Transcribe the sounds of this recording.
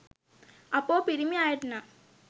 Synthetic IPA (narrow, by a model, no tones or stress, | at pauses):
ɐpːoːpɪɾɪmiaːjɐʈnãː